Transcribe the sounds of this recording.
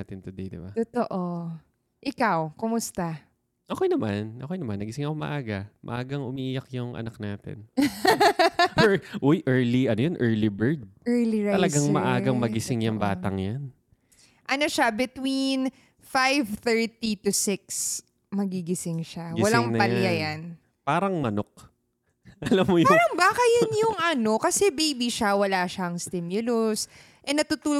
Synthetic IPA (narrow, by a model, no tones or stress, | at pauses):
at̪ɪnt̪ʊd̪ejd̪ɪ̰bat̪ot̪oʔo | ʔɪkawkʊmʊst̪a | ʔɐkojnɐmanʔɐkojnɐmanːɐɡɪsɪŋɐkomɐ̰ʔaːɡɐmʔɐ̰ʔaːɡɐŋʔʊmiʔijakjʊŋʔɐ̰naknaːt̪ɪ̰n | ɛʔojʔɛɹliʔɐnojonʔɛɹlibɛɹd̪̚ɛɹliɹaɐlɐɡaŋmɐʔaːɡɐŋmɐɡɪsɪŋjɐŋbaːt̪ɐŋjan | ʔɐnoʃabɪt̪win | fajvθɛɹt̪it̪ʊsɪk̚s | mɐɡiɡɪsɪŋʃawɐlaŋpɐljajan | paːɾɐŋmɐnok̚ | ʔɐlamːojaɾɐŋbaːkɐjʊnjʊŋʔɐno̞kɐsɛbejbiʃawɐlaːʃɐɐŋst̪ɪmjʊlos | ʔɛnɐt̪ut̪uːl